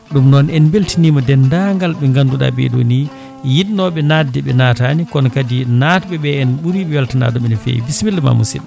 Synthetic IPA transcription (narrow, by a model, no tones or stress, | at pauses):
ɗumnɔnɛnbeltiniːmɔdɛndaŋɡalɓɛŋɡanduɗa̰ɓɛ̰ɗo̰ni | jiɗnɔɓɛnadɛɓɛnatanikɔnkadinatɓɛɓɛːnɓuɾiɓɛwaltana̰ːdɔɓɛnɛfḛjbismilːma̰mṵsḭl